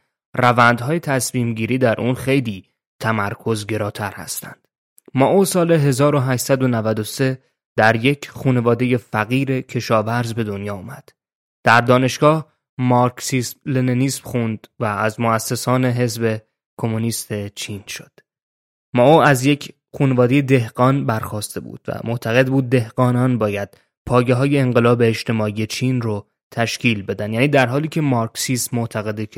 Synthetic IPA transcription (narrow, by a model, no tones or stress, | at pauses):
rævænd̪ɦɒːje̞t̪ʰæsmiːmɟiːɾiːd̪æɾʔuːnxe̞jliː | t̪ʰæmæɾkʰo̞zɟe̞ɾɒːt̪ʰæɾhæ̰st̪æ̰nd̪̥ | mɒʔosɒːle̞ɦe̞zɒːɾo̞ɦæːʃsæd̪o̞nævæd̪o̞se̞ | d̪̥æɾje̞cʰχuːne̞vɒːd̪e̞je̞fæɣiːɾe̞cʰe̞ʃɒːvæɾzbe̞d̪o̞njɒːumæd̪̥ | d̪̥æɾd̪ɒːne̞ʃɡ̥ɒːh | mɒɾksismleneniːsmxund̪̥væːzmoæsːe̞sɒːne̞ɦe̞zbe̞ | kʰo̞muniːst̪ʰe̞t͡ʃʰinʃo̞d̪̥ | mɒːoæzje̞cʰ | xuːnevɒːd̪e̞je̞d̪e̞hɢɒːnbæɾxɒːst̪e̞bṵːd̪̥væ̰mʔoʔt̪ʰæɣe̞d̪buːd̪̚ːe̞hɡ̥ɒːnɒnbɒːjæd̪̥ | pʰɒːjeɦɒːje̞ːŋɢe̞lɒːbe̞ːʃt̪e̞mɒːije̞t͡ʃʰiːnro | t̪ʰæʃciːlbe̞d̪ænd̪jæːniːd̪æɾɦɒːliːcʰe̞mɒɾksist̪moʔt̪ʰæɣe̞d̪e